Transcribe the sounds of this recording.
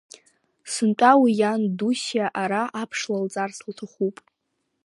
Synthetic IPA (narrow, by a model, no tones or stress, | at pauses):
sɨntʷʼawijandusjaʔaɾaʔapʰʂlalt͡sʼarslatʰaχupʼ